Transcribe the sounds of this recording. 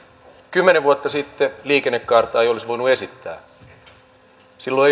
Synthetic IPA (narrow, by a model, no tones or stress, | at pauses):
kymːeneʋʋuot̪ːɑsit̪ːeliːkenːekːɑrt̪ˑɑːejolisʋo̞jnuesit̪ːæ̰ː | silːo